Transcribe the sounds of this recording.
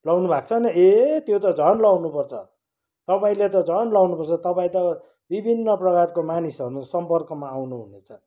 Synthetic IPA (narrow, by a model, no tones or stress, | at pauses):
lʌwnubʱakt͡sʰʌnʌet̪jot̪ʌd͡zʱʌnlawnupʌrt͡sʰʌ | t̪ʌpaĩlet̪ʌd͡zʱʌnlawnupʌrt͡sʰʌt̪ʌpaĩt̪ʌ | bibʱinːʌprʌkarkomanisʌɾusʌmpʌrkʌmaːwnuɦunet͡sʰʌ